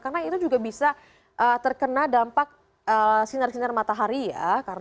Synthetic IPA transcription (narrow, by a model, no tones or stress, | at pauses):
karnait̪ud͡ʒuɡabisa | ʔəːt̪ərkənadampak̚ | əsinərsinərmat̪aɦaɾija̰kar